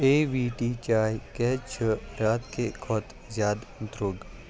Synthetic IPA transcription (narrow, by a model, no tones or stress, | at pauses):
eːʋiːʈiːt͡ʃaːjkɛt͡ʃʰəɾaːt̪kekʰɔt̪ | zjaːd̪nt̪ɾʊɡ